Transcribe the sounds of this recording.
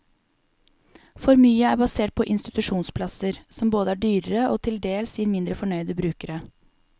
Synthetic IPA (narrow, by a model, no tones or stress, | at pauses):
fɔɾmyːəæːbɑseːʈ̚pʰɔʔɪnst̪ɪt̪ʉʂuːnspʰlɑsəɾsɔmboːd̪əæːɖyːɾəɾəʔoːt̪ʰɪld̪eːlsiːɾmɪnd̪ɾəfɔɳœʏd̪əbɾʉːkəɾə